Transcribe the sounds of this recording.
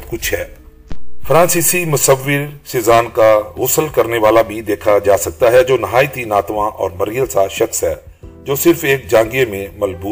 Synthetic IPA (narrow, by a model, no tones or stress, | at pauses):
kʊt͡ʃʰɦɛː | fɾãːnsisimʊsəʋːɪɾsɪːzaːnkaɣʊsəlkəɾneʋaːlabʱid̪eːkʰad͡ʒaːsɐk̚t̪aɦɛd͡ʒoːnɐɦaːjt̪inaːt̪ʋãʔɔ̰ːɾmɐɾijəlsaʃɐxsɦɛː | d͡ʒoːsɪɾfeːk̚d͡ʒãːŋɡemẽmɐlbuː